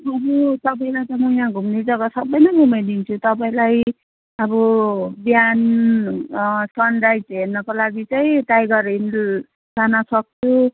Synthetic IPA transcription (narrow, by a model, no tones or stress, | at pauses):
ʌbut̪ʌp̬aĩlajt̪ʌmʌjãɡʱumned͡zʌɡasʌbːʌjnʌnimʌd̪int͡sʰut̪ʌpaĩlaj | ʌbɔbjan | sʌnrajd͡zɦernʌkolaɡit͡saĩtajɡʌɾin | sanʌsʌk̚t͡sʰu